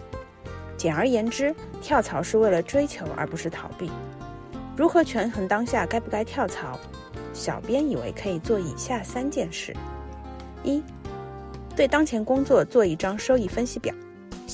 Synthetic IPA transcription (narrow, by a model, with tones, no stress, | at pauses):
t͡ɕjɛ˨˩nə˞˧˥jɛ˧˥nʈ͡ʂɻ̩˥t̪ʰjɑ˥˩ʊt͡sʰɑ˧˥ʊʂɻ̩˥˧we˥˩ɪlə˩ʈ͡ʂwe˥ɪt͡ɕʰjo˧˥ʊʔə̰˞˧˥pu˧˥ʂɻ̩˥˩t̪ʰɑ˨˧˩ʊpḭ˥˩ | ɻu˧˥xɤ˧˥t͡ɕʰɥɛ˧˥nxə˧˥nt̪ɑ˥ŋɕja˥˩ka˥ɪpu˥˩ka˥ɪt̪ʰjɑ˥˩ʊt͡sʰɑ˧˥ʊ | ɕjɑ˨˩ʊpjɛ˥ni˨˩wḛ˧˥ɪkʰɤ˧˥i˨˩t͡swɔ˥˩ḭ˨˩ɕja˥˩sa˥nt͡ɕjɛ˥˧nʂɻ̩˥˩ | i˥ | t̪we˥˩ɪt̪ɑ˥ŋt͡ɕʰjɛ˧˥nkʊ˥ŋt͡swɔ˥˧t͡swɔ˥˧i˥˩ʈ͡ʂɑ˥ŋʂo˥ʊi˥˩fə˥nɕi˧˥pjɑ̰˨˩˦ʊ